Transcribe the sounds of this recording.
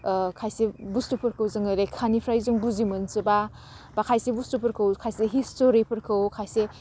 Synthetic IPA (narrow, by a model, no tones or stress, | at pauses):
kʰajsebustupʰɯɾkʰɯwzɯŋɯɾekʰanipʰɾajzɯŋbuzimɯnsɯba | bakʰajsebustupʰɯɾkʰɯwkʰajseɦistoɾipʰɯɾkʰɯwkʰajse